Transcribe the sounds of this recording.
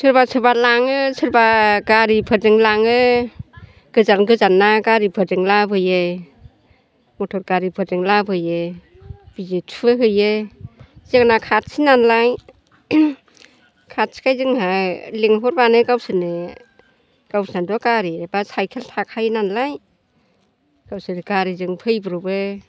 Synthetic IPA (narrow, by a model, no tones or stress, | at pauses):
sʰɯɾbasʰɯbalaŋɯsʰɯɾbaɡaɾipʰɯdɯŋlaŋɯ | ɡ̥ɯzanɡɯzanːaɡaɾipʰɯdɯŋlabʰʱɯje | mɔtʰɔɾɡaɾipʰɯdɯŋlabʰʱɯje | b̥izetʰɦɯje | zeknakʰat̚sʰinanlaj | kʰat̚si̥kʰajzɯŋhaleŋɦɔɾbanɯɡawsɯnɯ | ɡ̥awsnadɔkaɾiebasajkʰeltʰakʰajnanlaj | ɡ̥awsɯɾkaɾizɯŋpʰɯjbɯɾɔbe